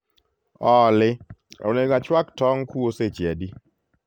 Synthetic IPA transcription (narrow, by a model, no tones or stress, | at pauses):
ɔlɪo̰neɡat͡ʃwaktɔŋkuoset͡ʃɛdi